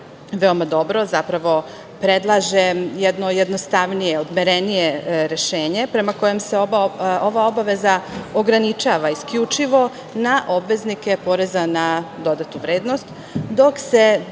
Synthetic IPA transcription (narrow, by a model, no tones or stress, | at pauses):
ʋe̞omad̪o̞bɾo̞zapɾaʋo̞ | pɾed̪lˠaːʒejed̪nojed̪nost̪aʋnijeod̪meɾenije̞ɾe̞ʃeːɲe̞pɾe̞mako̞jemseooʋao̞baʋe̞zaoɡɾanit͡ʃaːʋaiskʎut͡ʃiʋo̞ | naʔobʋe̞znike̞po̞ɾe̞zanad̪o̞d̪at̪uʋɾeːd̪nost̪ | d̪o̞kse